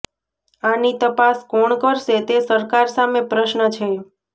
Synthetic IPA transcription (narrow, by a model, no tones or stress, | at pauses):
anit̪əpaskɔɳkəɾʃet̪esəɾkaɾsamepɾəʃnət͡ʃʰe